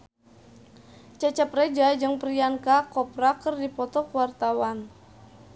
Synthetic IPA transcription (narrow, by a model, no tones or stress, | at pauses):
t͡ʃat͡ʃəprɛd͡ʒajd͡ʒɨŋpɾiankakɔprakərdipɔt̪ɔkəwart̪awan